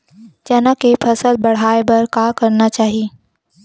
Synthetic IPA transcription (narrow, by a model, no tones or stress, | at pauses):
d͡ʒɐnakepʰɐsəlbɐɽ̤aːebɐɾkakɐɾnat͡ʃaːɦie